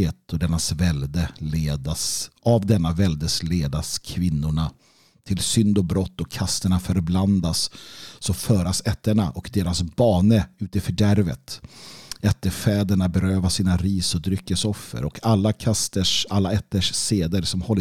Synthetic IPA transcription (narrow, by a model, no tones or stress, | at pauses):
eːt̪ɔd̪ɛnːasvɛld̪əleːd̪asʔavd̪ɛnːavɛld̪əsleːd̪askʰvɪnːʊɳa | t̪ʰɪlsʏnd̪ɔbɾɔt̪ːɔkʰːast̪əɳafœɾbland̪asːɔfœːɾasɛt̪ːəɳaʔɔkd̪eːɾasbɑːnəʉ̟ːt̪ɪfœɖæɾvə̰t̪ | ɛt̪ːəɾfɛːd̪əɳabɛɾøːvasiːnaɾiːsɔd̪ɾʏkːəsɔfːə̰ɾɔkʰalːakʰast̪əʂalːaɛt̪ːəʂːeːd̪əɾsɔmhɔlː